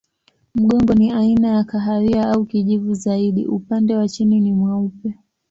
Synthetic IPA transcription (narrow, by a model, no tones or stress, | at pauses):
m̩ɠɔŋɡɔniainajakaɦaɾiaaukiʄivuzaiɗḭʔupandɛwat͡ʃininimwaupɛ